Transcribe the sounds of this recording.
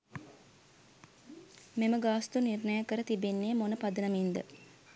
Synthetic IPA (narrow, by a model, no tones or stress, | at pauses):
meməɡaːst̪unirnəjəkəɾət̪ibenːeːmonəpad̪ənəmind̪ə